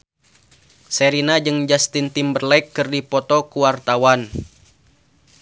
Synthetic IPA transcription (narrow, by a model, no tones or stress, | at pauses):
sɛɾinad͡ʒɨŋd͡ʒast̪int̪imbərlajkːɨrdipɔt̪ɔkuwart̪awan